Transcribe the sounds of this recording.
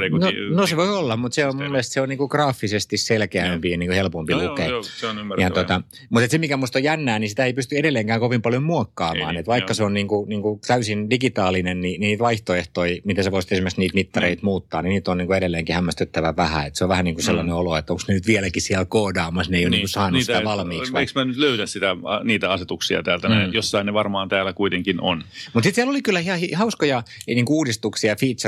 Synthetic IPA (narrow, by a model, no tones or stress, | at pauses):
nonoseʋoiolːɑmmut̪seommumːelest̪seoniːŋkukrɑːfːisest̪isselkeæmpijɑniːŋkuhelpompilukejɑt̪ot̪ɑ | mut̪et̪semikæmust̪ojænːæːnisit̪æeipyst̪yedelːeːŋkæːŋkoʋimpɑljommuɑkːɑːmɑ̰ːnet̪ʋɑikːɑseonniːŋkuniːŋkut̪æysindikit̪ɑːlinennininiːt̪ʋɑiht̪oeht̪oimit̪eseoisit̪esimerksniːt̪mit̪ːɑreit̪muːt̪ːɑːniniːt̪onniːŋkueɾelːeːŋkihæmːæst̪yt̪ːæʋæʋæhæ̰et̪seoʋʋæhæniːŋkuselːɑneoloet̪ːoŋksnenyt̪ʋiælækisiælkoːdɑːmɑsneijoniːkusɑːnːusst̪æʋɑlmiːksʋɑeksmænyt̪løyɾæssit̪æɑniːt̪æɑset̪uksiɑ̰t̪æːlt̪ænæjosːɑineʋɑrmɑːnt̪æːlːˑækuit̪eŋkino̰nmut̪sit̪siælolikylːæhiɑhihɑuskojɑniːŋkuuːdist̪uksiɑfiːt̪s